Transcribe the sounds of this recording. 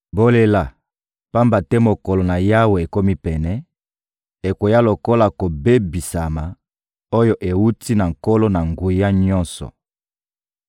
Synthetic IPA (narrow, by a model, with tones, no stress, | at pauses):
bo˦le˦la˨ | pa˦mba˨tɛ˦mo˨ko˨lo˨na˨ja˦we˨e˨ko˦mi˦pɛ˨nɛ˦ | e˨ko˨ja˦lo˨ko˦la˨ko˨be˦bi˨sa˨ma˨ | o˦jo˦ʔe˨wu˦tʰi˦na˨ŋko˦lo˦na˨ŋɡu˨ja˦ɲɔ˦nsɔ̰˨